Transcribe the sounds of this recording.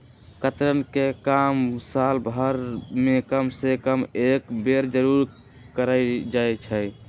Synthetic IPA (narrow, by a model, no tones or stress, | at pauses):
kət̪ɾənkekamsalbʱəɾmekəmsekəmekbeɾd͡ʒəɾuɾ | kəɾəjd͡ʒajt͡ʃʰəj